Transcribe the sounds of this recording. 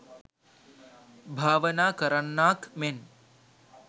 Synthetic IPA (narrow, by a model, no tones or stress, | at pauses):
bʱaːʋɐnaːkɐɾəɳːaːkmen